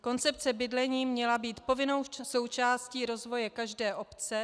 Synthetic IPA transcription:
ko̞nt͡sɛp̚t͡sɛbɪdlɛɲiːmɲɛlabiːt̪po̞vɪnowso̞wt͡ʃaːsciːɾo̞zvo̞jɛkaʒdɛːʔo̞pt͡sɛ

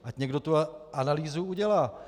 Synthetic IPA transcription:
ʔacɲɛɡdo̞t̪uʔanaliːzuuɟɛlaː

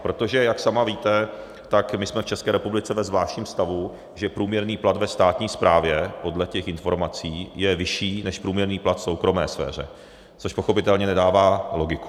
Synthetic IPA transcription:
pɾo̞t̪o̞ʒɛjaksamaviːt̪ɛ | t̪akmɪsmɛft͡ʃɛskɛːɾɛpublɪt͡sɛvɛzvlaːʃtɲiːmst̪avu | ʒɛpɾuːmɲɛɾniːplat̪vɛst̪aːt̪ɲiːspɾaːvjɛpo̞dlɛcɛxʔɪnfo̞ɾmat͡siːjɛvɪʃiːnɛʃpɾuːmɲɛɾniːplat̪fso̞wkɾo̞mɛ̰ːsfɛ̰ːr̝ɛ̰ | t͡so̞ʃpo̞xo̞pɪt̪ɛlɲɛnɛdaːvaːlo̞ɡɪku̥

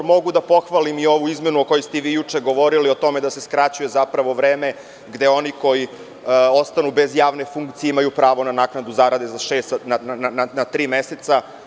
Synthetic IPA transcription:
mo̞ɡud̪apo̞xʋalimio̞ʋuizme̞nuoko̞jest̪eʋiːjut͡ʂe̞ɡo̞ʋo̞ɾilio̞t̪o̞me̞d̪ase̞skɾat͡ɕujezapɾaʋo̞ʋɾeːme̞ | ɡd̪e̞o̞niko̞ji | o̞st̪anube̞zjaːʋnefuŋkt̪sijeimajupɾaːʋo̞nanaːknad̪uzaɾad̪e̞zaʃeːst̪nnananat̪ɾiːmeset̪sa

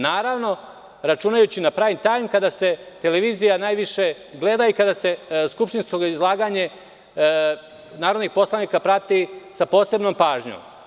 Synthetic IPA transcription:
naːɾaʋno̞ | ɾat͡ʃuːnajut͡ɕinapɾaːʋimt̪aːjmkad̪ase̞t̪eleʋiːzijanaːjʋiʃe | ɡle̞d̪aikad̪ase̞skupʃt̪inskoizlˠaːɡaɲe | naːɾod̪nixpo̞slˠaniːkapɾat̪isapo̞ːse̞bnoːmpaːʒɲo̰ːm

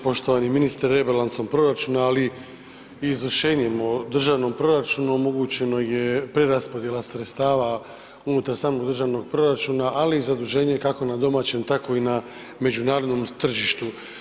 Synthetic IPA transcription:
po̞ʃt̪o̞ʋaniminist̪ɾe̞balanso̞mpɾo̞ɾat͡ʃuːnaːli | izvrʃe̞ːɲemo̞d̪r̩ʒaːʋno̞mpɾo̞ɾat͡ʃuːnuomo̞ɡut͡ɕe̞no̞je̞pɾe̞ɾaspo̞d̪je̞lasɾet̪st̪aːʋa | unut̪aɾsaːmo̞ɡd̪r̩ʒaːʋno̞ɡ̚pɾo̞ɾat͡ʃuːnaʔalizad̪uʒe̞ːɲekako̞nad̪o̞maːt͡ɕe̞mt̪ako̞ina | me̞d͡ʑunaːɾo̞d̪nomt̪r̩ʒiʃt̪u

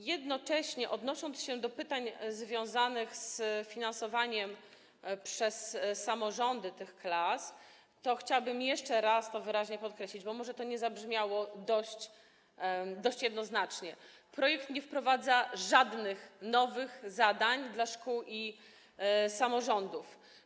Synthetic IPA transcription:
jɛd̪nɔt͡ʂɛɕɲɛʔɔd̪nɔʂɔnt̪sɕɛd̪ɔpɘt̪aɲzvʲjɔ̃w̃zanɘxsfʲinãnsɔvaɲɛm | pʂɛsːamɔʐɔnd̪ɘt̪ɘxklas | t̪ɔxt͡ɕawbɘmjɛʂt͡ʂɛɾast̪ɔvɘɾaʑɲɛpɔt̪̚kɾɛɕlʲid͡ʑbɔmɔʐɛt̪ɔɲɛzabʐmʲjawɔd̪ɔɕt͡ɕ | d̪ɔɕt͡ɕjɛd̪nɔznat͡ʂɲɛ | pɾɔjɛk̚t̪ɲɛfpɾɔvad̪zaʐad̪nɘxnɔvɘxzad̪aɲd̪laʂkuwi | samɔʐɔnd̪uf

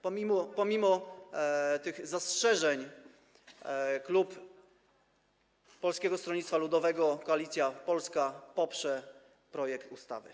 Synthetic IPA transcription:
pɔmʲimɔpɔmʲimɔ | t̪ɘɣzastʂɛʐɛɲ | klup | ɔlskʲɛɡɔst̪ɾɔɲʲit̪t̪falud̪ɔvɛɡɔkɔalʲit̪sʲjapɔlskapɔpʂɛ | pɾɔjɛkt̪ust̪a̰vɘ̰

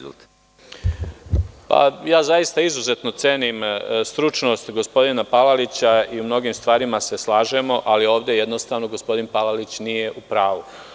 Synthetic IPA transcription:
t̪ | pa̰jaːzajist̪aizuze̞t̪no̞t̪seːnimst̪ɾut͡ʃno̞ːst̪ɡo̞spo̞d̪inapalalit͡ɕaiumno̞ɡiːmst̪ʋaːɾimase̞slˠaːʒe̞mo̞ʔalio̞ːʋd̪je̞jed̪no̞st̪aʋno̞ɡo̞spo̞d̪inpalalit͡ɕnije̞ʔupɾaːʋu

